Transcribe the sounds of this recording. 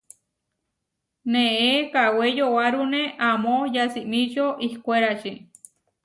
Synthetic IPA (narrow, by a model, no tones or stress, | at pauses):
nẽekawejowaɾunẽʔãmõjasimĩt͡ʃoʔihkʷeɾat͡ʃi